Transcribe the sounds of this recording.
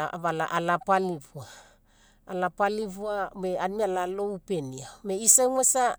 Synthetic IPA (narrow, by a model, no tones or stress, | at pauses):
aβala̰ʔalapalivuaː | lapaliβuameanmialalowpeniameisaŋwesa